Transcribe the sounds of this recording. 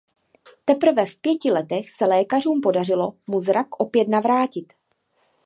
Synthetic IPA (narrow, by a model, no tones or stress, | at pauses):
t̪ɛpr̩vɛfpjɛcɪlɛt̪ɛxsɛlɛːkar̝uːmpo̞dar̝ɪlo̞muzɾakʔo̞pjɛt̪navɾaːcɪt̪